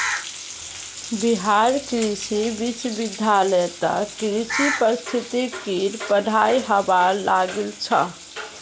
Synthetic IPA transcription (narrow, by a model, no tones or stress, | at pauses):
biɦaɾkɾisibit͡ʃbid̪ʱːalɛt̪ə̰kɾisipəɾist̪ʰit̪ikiɾpəɖ̤ʱajɦəbaɾlaɡelt͡ʃʰə̰